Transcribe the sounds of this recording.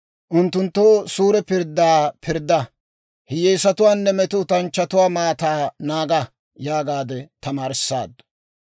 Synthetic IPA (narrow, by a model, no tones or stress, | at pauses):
ʔʊnt̪ːʊnt̪ːosuːɾɛpɪɾd̪aːpʰɪɾd̪ːɐ | hɪjɛjsɐt̪ʊwaːnːɛmɛt̪ʊt̪ɐnt͡ʃːɐt̪ʊwaːmaːt̪aːnaːɡɐ | jaːɡaːd̪ɛt̪ɐmaːɾɪsːa̰ːd̪